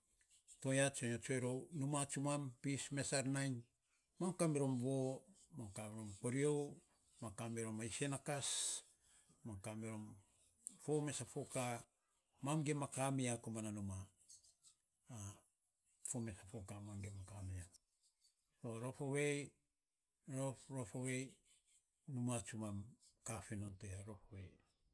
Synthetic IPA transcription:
to̞jat͡ʃoɲot͡ʃoeɾo̞numat͡ʃumampisme̞saɾnajn | mamkamiɾo̞mβo̞ | mamkamiɾomko̞ɾiow | makameɾo̞maise̞nakas | mamkamiɾo̞m | fome̞safoka | mamɡemakamiakomananuma | fomesafokamamɡemakamia | oɾo̞fowej | ɾoɾofowe̞j | numat͡ʃumamkafinonteaɾo̞fowej

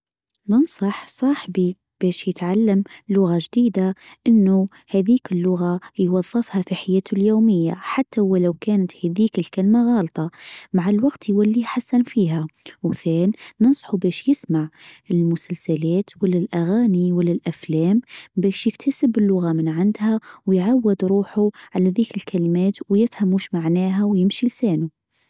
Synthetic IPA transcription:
nɨnsˤɑħsˤɑːħbi | b̥ɛːʃjɪt̪ʕalːamlʊɣaʒd̪iːd̪aʔɪnːu | hæːðiːkɪlːʊɣajwɑðˤːɨfhafiħajæːt̪ʰʊljoːmɪjːa̰ħat̪ːawalawkæːnat̪hæðiːkɪlkalmaɣɑːlt̪ˤɑmaʕalwaɡt̪iwalːiħasːanfiːhawθæːnnɨnsˤħubæːʃjɪsmaʕɪlmʊsalsælæːt̪wəlːalʔaɣaːniwəlːalʔæflæːmbæːʃjɪkt̪ʰasəbːɪlːʊɣamənʕand̪hæwjʕawːɪd̪ɾuːħuʕalæðiːkɪlkʰælmæːt̪wjɪfhæmuʃmaʕnæːɦæwjɪmʃilsæːnu

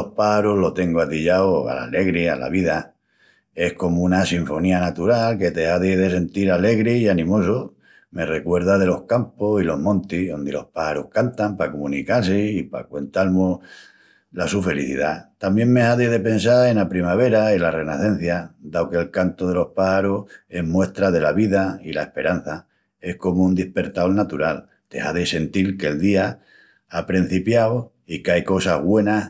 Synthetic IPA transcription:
ohpahaɾoɦlo̞t̪e̞ŋɡoat̪iʎaoa̰la̰le̞ɣɾia̰la̰βiða | e̞hko̞mounasiɱfo̞nianat̪uɾalke̞t̪e̞aðiðe̞se̞nt̪iɾale̞ɣɾeianĩmo̞so | me̞re̞kwe̞ɾðaðe̞lo̞hkamposilo̞ɦmõnt̪iðo̞nd̪ilo̞̰hpahaɾuhkant̪ampakomũnikaseipa̰kwe̞nt̪almo | lasufe̞liθḭðat̪ambje̞ŋme̞haðeðe̞pe̞nsae̞napɾimaβ̞e̞ɾailare̞naθẽ̞n̟θjad̪awke̞lkant̪oð̞e̞lo̞hpahaɾohe̞ɦmwe̞ht̪ɾaðe̞laβiðailaehpe̞ɾan̟θa | e̞hko̞mound̪ihpe̞ɾt̪awlnat̪uɾal | t̪e̞̰haðese̞nt̪ilkeld̪ia | apɾin̟θipjaw | ikajko̞saɦɣwe̞nah

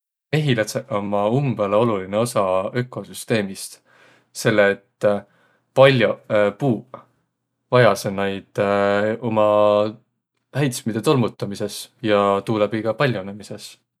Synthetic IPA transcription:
e̞ɦilɑt̪seʔomːɑumb̥eleo̞luline̞o̞sɑø̞kːˑo̞syst̪e̞ːmist̪ | se̞lːeːt̪ː | pɑlʲjopuː | vɑjɑsenejd̪̥o̞mɑ | hæjt̪smid̪̥e̞t̪o̞lmut̪ːˑɑmise̞sjɑt̪uːlebiɡ̥ɑpɑlʲjonemise̞s

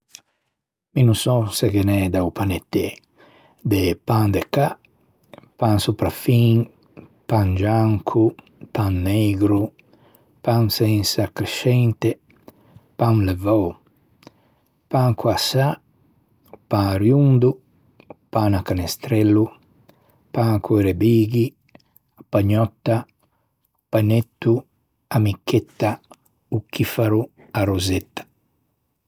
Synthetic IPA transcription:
minusɔseɡenɛd̪aupanet̪ːɛ | d̪epand̪eka | pansupɾafiŋ | pand͡ʒaŋkʰu | panːeɡɾu | paŋsɛnsakɾeʃɛnt̪e | panlevɔ | paŋkuasa | paɾjund̪u | panakanest̪ɾɛlːu | pakueɾebiːɡi | paɲɔt̪ːa | panet̪ːu | amikːet̪ːa | ukːifaɾu | aɾuzet̪ːḁ

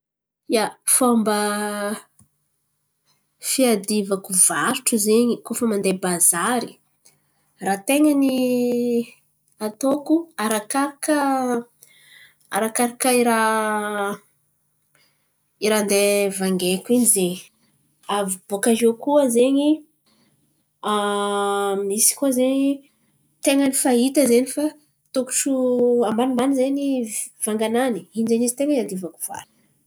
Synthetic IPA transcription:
jafambə | fiad̪ivakuvaɾuʈ͡ʂuzeɲikofəmand̪ebazaɾi | rat̪eŋəni | at̪okuaɾakaɾakə | a̰ɾakaɾakəiɾa | iɾand̪evaŋɡekʲinize | avb̥okaʒekuəzeɲi | a | mnisi̥kuəzeɲi | t̪eŋənifaɦit̪əzenifa | t̪oku̥ʈ͡ʂuambanimbanizeɲivaŋɡanani̥inizeɲist̪eŋiand̪ivaku̥v̥a̰ɾ

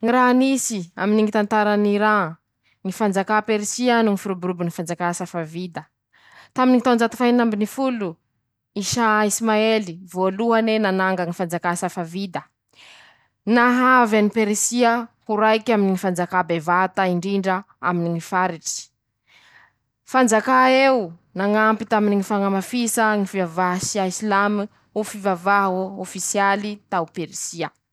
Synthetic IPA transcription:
ŋiɾanisia̰miniŋit̪ant̪aɾaniɾa | ŋifand͡zakapeɾisianuŋifiɾubuɾubunifand͡zakasafavid̪ə | t̪aminiŋit̪and͡zat̪u̥fajnambinifulu | iʃaismaelivoluanenanaŋɡaŋifand͡zakasafavid̪ə | naɦavanipeɾisiəhuɾajkaminiŋifand͡zakabevat̪aiɳɖ͡ʐiɳɖ͡ʐə | a̰miniŋifaɾiʈ͡ʂi̥ | fand͡zakaeunaŋampit̪aminiŋifaŋamafisaŋifivavaɦsiaisilami | ufivavaɦofisialit̪aupeɾisiə

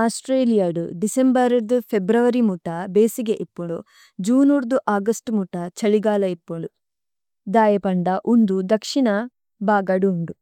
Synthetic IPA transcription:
aːsʈɾeːlijaɽṵɖisembɐɾɐd̪upʰebɾɐʋɐɾimuʈɐbeːsiɡeʔipːuɭu | d͡ʒuːnuɾd̪uʔaːɡɐsʈmuʈɐt͡ʃɐɭiɡaːlɐipːuɭu | d̪aːjɐpɐɳɖɐʔund̪ud̪ɐkʂiɳɐ | baːɡɐɽuːɳɖu

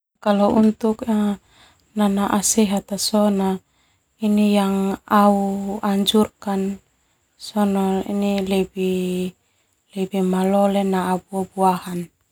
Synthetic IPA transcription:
kalount̪uka | nanaʔasɛɦat̪asɔna | inijaŋauaɲd͡ʒurkan | sɔnaḭnilɛbi | lɛbimalɔlenaʔabuabuahan

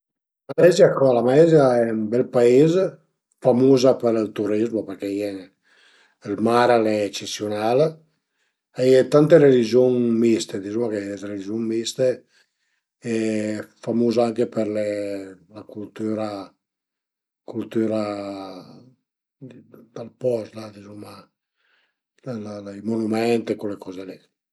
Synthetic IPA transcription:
malɛziakɔlamaɛzjaɛumbɛlpaez | famuzapeɾilt̪uɾizmopeɾkɛjɛn | lmaɾalɛt͡ʃesjonal | ajɛt̪ant̪eɾelid͡ʒoŋmist̪ed̪izuŋakeɾelid͡ʒoŋmist̪e | ɛfamuːzaaŋkepeɾlɛlakult̪yːɾa | kult̪yːɾa | d̪alpɔslad̪izuma | llalajmonumɛnt̪ekolːekɔːzelɛ

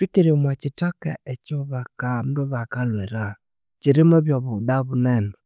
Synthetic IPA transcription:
twikeɾeomwat͡ʃitakaɛt͡ʃɔβakam̩ɾoβakalwɛɾa | t͡ʃiɾimɔβjɔβudaβunɛnɛ

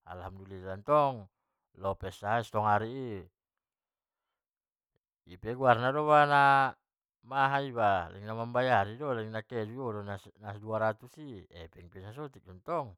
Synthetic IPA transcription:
a̰lhamdulilant̪ɔŋ | lɔpɛsaɦist̪ɔŋaɾii | ipɛɡuarnadɔβana | maɦaibalʔɛ̰ŋnamambajaɾidɔlɛŋnakɛdiodonasnasduaɾat̪usiɛ̰pɛŋpɛnas̬ɔt̪ik̚dɔnt̪ɔŋ

